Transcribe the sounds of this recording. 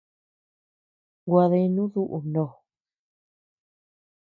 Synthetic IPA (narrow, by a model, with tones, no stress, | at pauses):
ɡwa˧ðe˧i˧nũ˦ðu˦ʔu˨nõ˨